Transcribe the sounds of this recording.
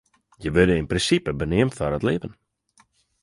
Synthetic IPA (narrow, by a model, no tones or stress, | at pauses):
jəʋødəɪnprɪnsipəbənɪəmtfaɾətlɪːvən